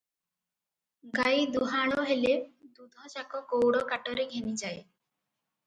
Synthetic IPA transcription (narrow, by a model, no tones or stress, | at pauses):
ɡajd̪uɦaɭ̃ɔɦeled̪ud̪ʱɔt͡ʃakɔkowɽɔkaʈɔɾeɡʱenid͡ʒaj